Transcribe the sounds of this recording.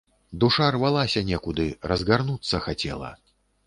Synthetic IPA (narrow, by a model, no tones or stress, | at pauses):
d̪uʂarvalˠasʲɐnʲɛkud̪ɨɾɐzɣarnut̪sːɐxat͡sʲɛ̰lˠɐ̰